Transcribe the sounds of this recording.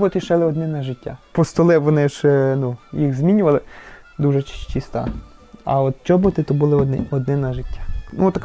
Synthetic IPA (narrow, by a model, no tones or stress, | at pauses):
bɔt̪ɪʃɛlˠɪɔd̪nɪnɐʒɪtʲːa̰pɔst̪ɔlˠɛʋɔnɪʒnujixzmʲinʲʊʋɐlˠɪ | d̪uʒɛt͡ʃʃt͡ʃist̪ɑ̰ | ɐ̰ɔt̪t͡ʃɔbɔt̪ɪt̪ɔbʊlˠɪɔd̪nɪɔd̪nɪnɐʒɪtʲːḁnut̪ːɐk